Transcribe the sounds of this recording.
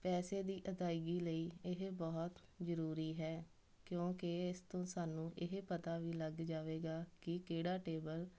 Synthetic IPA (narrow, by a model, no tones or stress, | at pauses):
pɛːseːd̪iːʔəd̪aːɪɡiːləiːɪɦbɔːt̪zəɾuːɾiːɦɛː | kjõːkɪɪst̪õːsaːnũːʔɪɦpət̪aːʋiːləɡd͡ʒaːʋeːɡaːkɪkeːɽaːʈeːbəl